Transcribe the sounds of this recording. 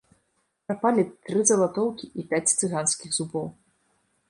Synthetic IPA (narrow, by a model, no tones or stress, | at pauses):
pɾapalʲit̪ɾɨzɐlˠat̪ɔwkʲiʔipʲat͡sʲt̪sɨɣanskʲiɣzubɔw